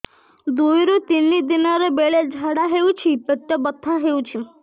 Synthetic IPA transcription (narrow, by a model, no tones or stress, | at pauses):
d̪ujɾut̪inːid̪inaɾebeɭed͡ʑʱaɽaɦewt͡ɕʰiːpeʈːəbət̪ʰːaɦewt͡ɕʰi